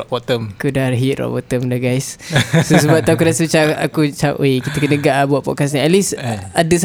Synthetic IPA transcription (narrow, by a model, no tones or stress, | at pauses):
ɔʔbɔt̪əmakudarɦit̪̚rɔ̰ʔbɔt̪əmdaɡajssosəbaʔ̚t̪akudaʔsət͡ʃaa̰kut͡ʃaʔekit̪əkənəɡaʔabuaʔ̚pɔ̰ʔ̚kas̬ɲiɛt̪̚lisadəs